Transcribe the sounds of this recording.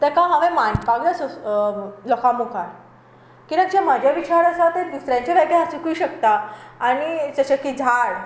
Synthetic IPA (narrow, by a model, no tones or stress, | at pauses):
t̪ɛkamaʋemanpaɡlaso | lɔkamukʰaɾ | kiɾak̚d͡ʑem̤ad͡ʑʱjaʋit͡ɕaɾəsat̪ed̪isɾjãɲt͡ɕaʋaɡjaasikujɕəkt̪aːɽ̃it͡ɕəɕəkːid͡zʱaɽ